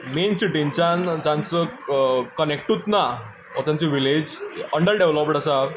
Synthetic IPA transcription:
mensiʈiɲt͡ɕand͡ʑãnt͡səkənek̚ʈut̪na | ɔt̪ãnt͡seʋiled͡ʑəɳɖəɾɖeʋlɔpɖasa

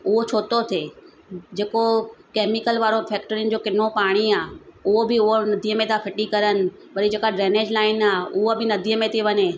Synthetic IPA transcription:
ʊɦot͡ɕʰoːt̪ot̪ʰeː | d͡ʑeːkokeːmɪkəlʋaːɾofʰɛːkʈəɾɪn̆d͡ʑoːkɪn̤opaːɽ̃iaːʊɦobɪʊɦonɐd̪ʱiːəmẽt̪ʰafʰɪʈikɐɾənɪ̆ | pɐɾid͡ʑeːkaɖɾeːneːd͡ʑlaːɪnaːʊɦəbɪnɐd̪ʱiːəmẽt̪ʰiʋɐɲe

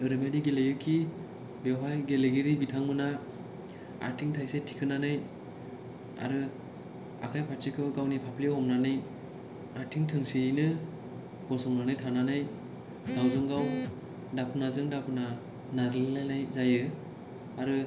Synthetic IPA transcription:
ɯɾɯmediɡelejɯkʰi | bewɦajɡeleɡiɾibitʰaŋmɯna | a̰ɾtʰiŋtʰajsetʰikʰɯnanaj | a̰ɾɯ | a̰kʰajpʰatsikʰɯɡawnipʰapʰliɦɔmnanɯj | aɾtʰiŋtʰɯŋsiinɯ | ɡ̥ɔsɔŋnanɯjtʰananaj | ɡawzɯŋɡaw | dapʰɯnazɯŋdapʰɯna | naɾɯllajnajzajɯ | aɾɯ

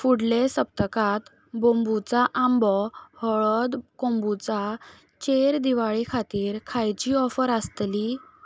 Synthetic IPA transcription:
fuɽlesəp̚t̪əkat̪ | bõmbut͡saʔambɔhɔɭɔd̪kõmbut͡sa | t͡ɕeɾd̪iʋaɭikʰat̪iːɾkʰajt͡ɕiːɔfəɾast̪li

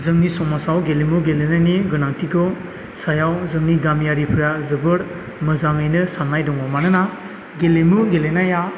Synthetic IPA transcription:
zɯŋnisɔmasawɡelemuɡelenajniɡɯnaŋtʰiɡɯ | sajawzɯŋniɡamjaɾipʰiɾazɯbɯɾ | mɯzaŋɯjnɯsamnajdɔŋɔmanɯna | ɡelemuɡelenaja

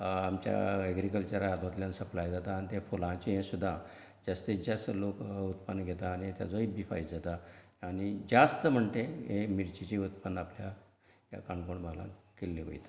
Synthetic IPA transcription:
amt͡ɕja̰ɛɡɾikəlt͡ɕəɾad̪mat̪ljãnsəplajd͡zat̪aːnit̪efolãt͡ɕiɦẽsud̪ʱːa | d͡zast̪ed͡zasəlokut̪pənːɡʱet̪aːñit̪ja̰d͡zoibifa̰jd͡zat̪a | anid͡zast̪əm̤əɳt̪eɦemiɾt͡ɕit͡ɕiut̪̚pənd̪aplja | ɦja̰kaɳkoɳməla̰kelːiʋo̰jt̪

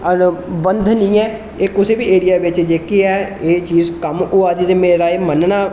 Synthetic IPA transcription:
əbənd̪nĩːɛː | eːkʊseːbiːeːɾijaːʋɪt͡ʃd͡ʒeːkeːɛːeːt͡ʃiːzkəmʊaːd̪iːt̪emeːɾaːeːmənnaː

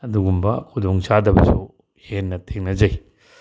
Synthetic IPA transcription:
ɐduɡumbɐkʰudoŋsadɐbɐsu | henːɐtʰeŋnɐzɐj

